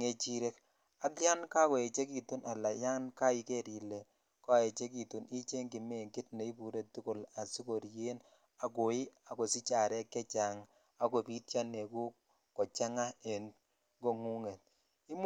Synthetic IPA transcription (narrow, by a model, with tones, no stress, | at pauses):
ŋe˨t͡ʃi˦ɾe˦k | a˦kja˦nka˦kɔ˨e˨t͡ʃe˦ki˨tu˦nʔa˨la˨ja˦nka˦i˨ke˦ɾi˨le˨ | kɔ˦˨e˨t͡ʃe˦ki˨tu˨ni˦t͡ʃe˦ŋɡɪ˨me˦˨ŋɡɪ˦tne˨i˦pu˨ɾe˨tu˦ko˨la˨si˦ko˨ɾje˦n | a˨ko˨ɪ˦a˨ko˨si˦t͡ʃa˨ɾɛ˦kːɛ˦t͡ʃa˨ŋ | a˨ko˨pi˦tt͡ʃa˦ne˨ku˦ | kɔ˨t͡ʃa˦ŋa˦e˨n | ɡo˨ŋu˦ŋe˨t̚ | ɪ˦m